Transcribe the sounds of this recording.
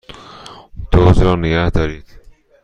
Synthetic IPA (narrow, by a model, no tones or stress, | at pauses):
d̪̥ozɾɒːneɡæhd̪ɒːɾiːd̪̥